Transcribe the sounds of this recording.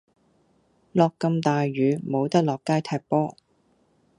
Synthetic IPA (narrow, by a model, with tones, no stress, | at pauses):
lɔː˨kːɐ˧mt̪aː˨jɥyː˨˧mo˨˧wt̪ɐ˥k̚lɔː˨kːaː˥jt̪ʰɛː˧˥k̚pɔː˥